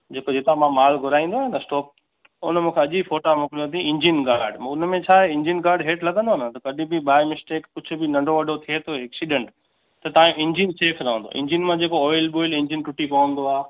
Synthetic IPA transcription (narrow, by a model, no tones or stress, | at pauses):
d͡ʑeːkod͡ʑeːt̪amãmaːlɡʱʊɾaːĩːn̆d̪oaenɐsʈɔːk̚ | ʊ̰nəmũːkʰeɐʄifoːʈamʊ̃klijõt̪ĩɪ̃ɲd͡ʑinɡaːɾɖʊnmẽt͡ɕʰaːɦeɪ̃ɲd͡ʑɪnɡaːɾɖɦeːʈlɐɡə̃nd̪oɐnət̪ɐkɐɗĩbiɓaːɪmɪsʈeːkkʊd͡ʑʱʊ̆bɪnɐ̃ɳɖʱoʋɐɖʱot̪ʰiet̪ʰoeɛːksiɗẽɳʈ | t̪ɐt̪aːjũʔɪ̃ɲd͡ʑinseːfʰɾɐɦə̃nd̪o̰ʔɪ̰̃ɲd͡ʑinmãd͡ʑeːkoɔːɪlɓoːɪlɪ̃ɲd͡ʑɪnʈʊʈipɐʋə̃nd̪oaː